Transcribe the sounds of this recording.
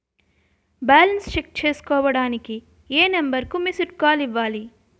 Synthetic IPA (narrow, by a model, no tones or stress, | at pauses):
baːlɐnst͡ʃek̚t͡ʃeːsu̥kɔːʋɐɽaːniki | eːnɐmbɐɾkumisuʈkaːliʋːaːli